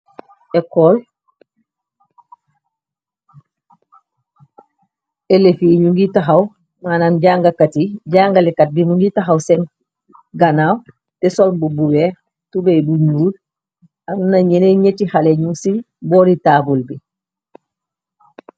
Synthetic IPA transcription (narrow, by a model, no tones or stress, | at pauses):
ekol | elefiɲuŋɡitaɦaw | mananɟaːŋɡakatiɟaːŋɡalekat̚bimuŋɡitaɦawsen | ɡanaːw | tɛsolmbubuwɛːɾ | tubebuɲuːl | annaɲeneɲetihaleɲuŋsi | boːɾitaːbulbi